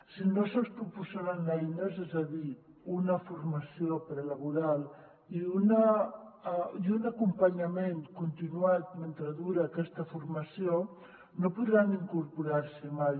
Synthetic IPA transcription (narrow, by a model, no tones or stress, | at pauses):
sinosospɾupusaɾanajnezɛzaði | unəfuɾmɐsiopɾelaβuɾalˠ | iunə | iunakumpɐɲɐmenkunt̪inuat̪̚ment̪ɾaðuɾaːkɛst̪əfuɾmɐsio | nopuðɾaniŋkuɾpuɾaɾsəmaj